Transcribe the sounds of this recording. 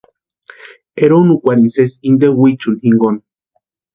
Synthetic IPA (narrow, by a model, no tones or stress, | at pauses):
eɾonukʷaɾinsesind̪ewit͡ʃunhiŋɡon